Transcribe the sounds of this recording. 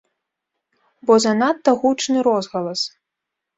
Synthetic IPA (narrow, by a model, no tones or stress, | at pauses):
bɔzanat̪ːɐɣut͡ʂnɨɾɔzɣɐlˠɐs